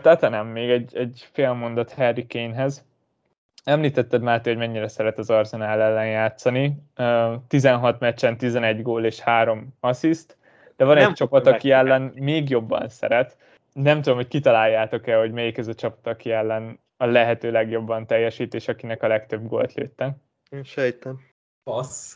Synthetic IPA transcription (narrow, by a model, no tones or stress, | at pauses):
t̪at̪ɛnɛmːeːɡɛɟɛɟfeːlmo̞nd̪ot̪hɛrːikeːnɦɛz | ɛmliːt̪ɛt̪ːɛd̪maːrt̪eho̞ɟmɛɲːiɾɛsɛɾɛt̪ɒzɒrzɛnaːlɛlːɛnjaːt̪sɒni | t̪izɛnɦɒt̪mɛt͡ʃːɛnt̪izɛnɛɟɡoːleːʃhaːɾo̞mɒsist̪ | d̪̥ɛvɒnɛt͡ʃːɒpɒt̪ɒkiɛlːɛnmeːɡjo̞bːɒ̰nsɛ̰ɾɛt̪ | nɛmt̪ud̪o̞mho̞ckit̪ɒlaːjːaːt̪o̞kɛlho̞ɟmɛjikɛzɒt͡ʃɒpɒ̥t̪ɒkiɛlːɛn | ɒlɛɦɛt̪øːlɛɡjo̞bːɒnt̪ɛjːɛʃiːt̪eːʃɒkinɛkɒlɛkt̪ø̞bɡo̰ːlt̪lḛːt̪ːɛ | eʃɛjt̪ɛn | ɒs